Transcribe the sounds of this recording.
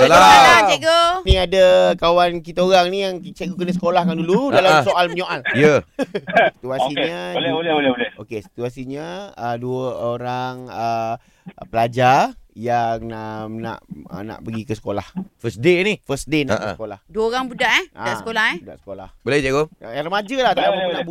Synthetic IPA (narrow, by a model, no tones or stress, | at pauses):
laaat͡ʃeɡoniadakawankit̪aoɾaŋnijaŋt͡ʃeɡokənəsə̥kolahkanduludalamsoʔalməɲoʔaljə | sə̥t̪uasieɲalɛolɛhbolɛhbolɛhokesi̥t̪uasiɲaəduəoɾaŋə | pəlad͡ʒarjaŋnana̰ʔə̰na̰ʔpəɡikəsə̥kola̰hfəsdenifəsdenaʔəsəkola̰hduəoɾaŋbudaʔɛadaʔəkolahɛbuda̰ʔsə̥kola̰hbolat͡ʃeɡoja̰jarəmad͡ʒəlaht̪alanabu